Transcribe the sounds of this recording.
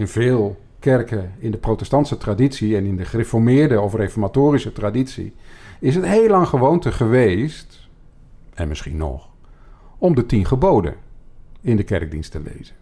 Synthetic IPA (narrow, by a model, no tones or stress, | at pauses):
ɪnvɪːlˠ | kɛrkəɪndəprowtɛstɑntsətraditsiɛnɪndəχərefɔɹmɪːɹdəɔfrefɔɹmatoːrisətraditsḭɪsɦətɦejlɑŋχəʋowntəχəʋejst | ɛnmɪsχinɔ̰χ | ɔmdətinχəbowdə̰ | ɪndəkɛ̰rɡ̚dinstəlḛjzən